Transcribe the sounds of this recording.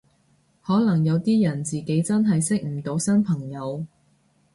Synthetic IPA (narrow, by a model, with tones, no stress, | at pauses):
hɔː˨˥lɐ˨˩ŋjɐ˨˧wt̪iː˥jɐ˨˩nt͡siː˨ke˨˥jt͡sɐ˥nɦɐ˨jsɪ˥k̚m̩˨˩t̪o˨˥wsɐ˥npʰɐ˨˩ŋjɐ˨˧w